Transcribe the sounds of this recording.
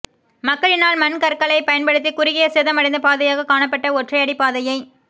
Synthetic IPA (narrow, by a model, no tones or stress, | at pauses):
mɐkːɐɭɪnaːlmɐnkɐɾkɐɭɐɪpɐjɐnpɐɽɯt̪ːikʊɾɪɣɪjɐsɛðɐmɐɽɐɪnd̪ɐpaːðɐjaːɣɐkaːɳɐp̬ːɐʈːɐɔʈrɐɪɐɽɪpaːðɐjɐɪ